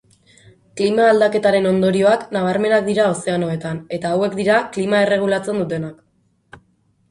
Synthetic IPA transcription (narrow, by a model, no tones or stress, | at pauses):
klimaːld̪ake̞t̪aɾe̞no̞nd̪o̞ɾio̞aknaβ̞aɾme̞nakd̪iɾao̞se̞ano̞e̞t̪ane̞t̪aːwe̞kd̪iɾaklimae̞re̞ɣ̞ulat͡se̞nd̪ut̪e̞nak